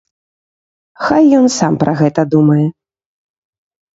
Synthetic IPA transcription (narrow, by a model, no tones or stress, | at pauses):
xajːɔnsampɾʔɐɣɛt̪ɐd̪umɐjɛ